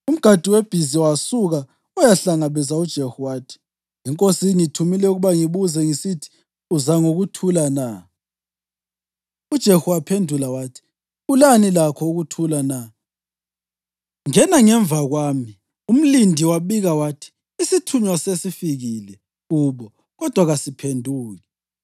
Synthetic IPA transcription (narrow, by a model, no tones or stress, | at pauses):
um̩ɡ̥ʱad̥ʱiweb̥ʱiziwasuɣa | ɔjaɬaŋaβɛzaud̥ʒ̥ʱehuwaːtʰi̥ | iŋkʼosiŋitʰumilɛuɣuβaŋiβuzɛŋisitʰi̥ | uzaŋoɣutʰulana | ud̥ʒ̥ʱehuwapʰendʱulawaːtʰi̥ | ulanilakʰɔuɣutʰulana | ŋɛnaŋɛɱb̪vʱaɣwaːmi | um̩lindʱiwaɓiɣawatʰi̥ | isitʰuɲwasesifiɣilɛ | uβɔ | ɣɔd̥ʱwaɣasipʰendʱuːɣɛ